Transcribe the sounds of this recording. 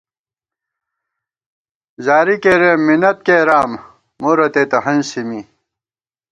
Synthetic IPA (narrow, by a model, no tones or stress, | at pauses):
zaːɾikeɾemːinɐt̪̚keːɾaːmː | oɾɐt̪eːt̪ɐɦɐnsimi